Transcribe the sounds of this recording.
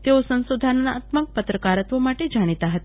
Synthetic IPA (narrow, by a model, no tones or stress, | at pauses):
t̪eosə̃ñsud̪ʱanːaːt̪mək̚pət̪ɾəkaɾət̪ʋomaʈed͡ʒaɽ̃it̪aɦət̪ḁ